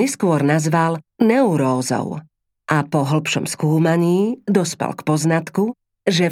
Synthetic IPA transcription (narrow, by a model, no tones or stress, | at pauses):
ɛskʊɔɾnazʋalnɛuɾɔːzɔ̰ʊ | ʔapɔɦl̩pʃɔmskuːmaɲiːd̪ɔspɛ̰lkpɔznat̪ku | ʒɛ